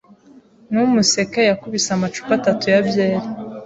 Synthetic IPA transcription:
numuse̞kejakuβisamat͡ʃu̥katatujabjeːɾi

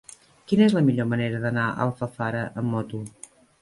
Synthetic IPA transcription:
kinəezləmiʎoməneɾəðənaə̰lˠfəfaɾəʔəmːɔt̪u

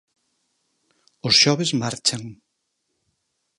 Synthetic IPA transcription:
ʊsʃɔβezmaɾt͡ʃaŋ

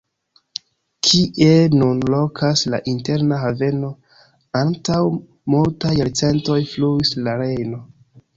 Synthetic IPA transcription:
kʰiʔe̞nunlo̞kʰasla̰ʔinte̞ɾnaɦave̞no̞ | antaw | multajaɾt͡se̞nto̞jfluislaɾe̞jno̞

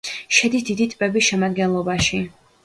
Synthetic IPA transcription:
ʃɛd̪isd̪id̪it̪ʼpʼɛbisʃɛmad̪ɡɛnlˠɔbaʃi

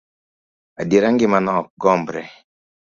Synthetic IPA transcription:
adiɾaŋɡimanɔɡɔmbɾɛ

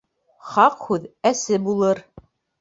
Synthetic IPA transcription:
χɑqhʉðæsɘbulˠɤɾ

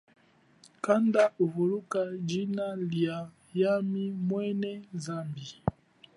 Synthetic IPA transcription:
kandauvulukad͡ʒinalja | jamimwɛnɛzambi

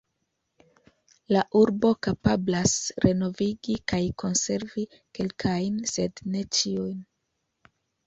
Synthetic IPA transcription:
laʔuɾbo̞kapablasɾe̞no̞viɡikajkʰo̞nse̞ɾvi | ke̞lkʰajnse̞dne̞t͡ʃiujn

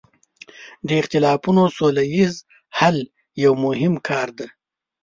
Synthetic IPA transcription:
d̪əɪxt̪ɪlɑpunosolajiz | hal | jawmʊɦɪmkʰɑːɾd̪e

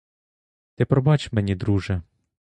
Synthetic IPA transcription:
t̪ɪpɾɔbɑt͡ʃmɛnʲid̪ɾuʒɛ

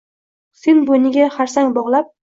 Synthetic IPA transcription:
sɪnbonɪɡʲaχaɾsaŋbɒʁlˠap̚

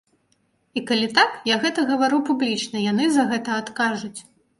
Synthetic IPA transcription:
ikalʲit̪akjaɣɛt̪ɐɣɐvaɾupublʲit͡ʂnɐjanɨzɐɣɛt̪ɐːt̪kaʐut͡sʲ

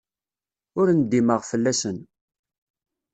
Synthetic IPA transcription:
ʊɾnd̪iməʁfəlːæsən

